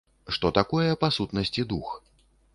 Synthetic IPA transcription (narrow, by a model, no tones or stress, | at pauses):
ʂt̪ɔt̪akɔjɛpasut̪nɐsʲt͡sʲid̪ux